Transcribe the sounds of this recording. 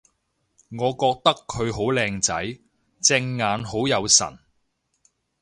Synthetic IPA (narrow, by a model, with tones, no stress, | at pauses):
ŋɔː˨˧kɔː˧k̚t̪ɐ˥kʰːɵ˨˧ɥɦo˨˥wlɛː˧ŋt͡sɐ˨˥j | t͡sɪ˧ŋːaː˨˧nho˨˥wjɐ˨˧wsɐ̰˨˩n